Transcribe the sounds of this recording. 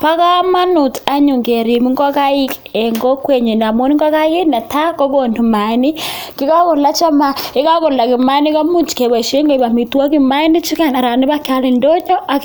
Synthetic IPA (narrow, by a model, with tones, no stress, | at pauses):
pa˦ka˦ma˦nu˨ta˨ɲu˨ŋɡe˨ɾi˨mi˦ŋɡo˦ka˦i˦k | e˨ŋɡo˦kwe˦˨ɲe˨na˨mo˦ni˦ŋɡa˦ka˦ɣe˦na˨ta˦ko˦βo˨ndu˨ma˨ni˦ki˦ka˦ko˨la˦t͡ʃa˦ma˨e˦ka˦ko˨la˨ki˨ma˦ni˦ka˦mu˦t͡ʃi̥˨ke˨βa˨ʃe˦ŋɡo˦i˨βa˨mi˨twa˦ki˦ma˦ni˦t͡ʃi˦ka˦˨na˨ɾa˨ni˦βa˦ka˦ɾe˨ndo˦ɲo˦a˨